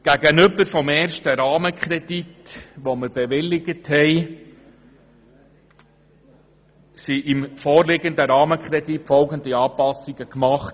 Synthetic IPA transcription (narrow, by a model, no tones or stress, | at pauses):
ɡ̥æɡənʏbəɾfɔmɛːɾʃtəɾɑːməkʰɾɛd̥it̪ʋɔməɾb̥ɛʋɪlːɪɡəthɛɪ | siʔɪmfɔːrlɪɡənd̪əɾɑːməkχɾɛditfɔlɡənd̪iɑːpɑsiɡəkmɑχt